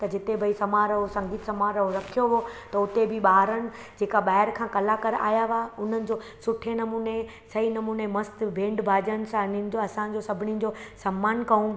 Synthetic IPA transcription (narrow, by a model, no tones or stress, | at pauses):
t̪ɐd͡ʑɪt̪ebʱɐisɐmaːɾɦosɐ̃ŋɡʱiːt̪sɐmaːɾɐɦoɾɐkʰijoɦot̪ɐʊt̪ebʱɪɓaːɾənɪ̆ | d͡ʑeːkaɓaːɦɪɾkʰãːkɐlakɐɾa̰ːjaʋaʊn̤ənɪ̆d͡ʑoːsʊʈʰenɐmuːne | sɐɦinɐmuːnemɐst̪bʱẽːɳɖbʱaːd͡ʑənɪ̆sãnɪnɪ̆d͡ʑoɐsãd͡ʑosɐbʱɪnĩd͡ʑosɐmːaːnkɐũ